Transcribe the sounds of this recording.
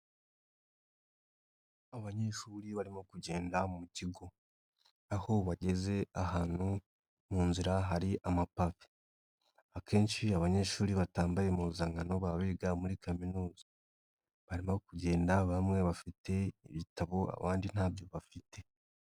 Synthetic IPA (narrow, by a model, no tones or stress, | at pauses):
aβaɲe̞ʃuːɾiβaɾimo̞kuɟe̞ːndamumuciɡo̞ | aho̞βaɟe̞ze̞ahaːn̥hu | muːnziɾaɦaɾiʔamapafi̥ | akʰe̞ːnʃiaβaɲe̞ːʃuːɾiβataːmbajemuuzaŋɡano̞βaβiːɡamuɾikaminuːza | βaɾimokuɟe̞ːndaβamŋe̞βafite̞ḭβitaβo̞a̰βaːndin̥haːbjo̞βafite̞